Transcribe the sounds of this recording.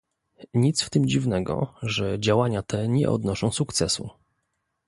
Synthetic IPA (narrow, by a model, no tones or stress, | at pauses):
ɲit̪sft̪ɘmd͡ʑivnɛɡɔ̰ʐɛd͡ʑawaɲat̪ʰɛɲɛ̰ʔɔ̰d̪nɔʂɔ̃w̃sukt̪sɛsṵ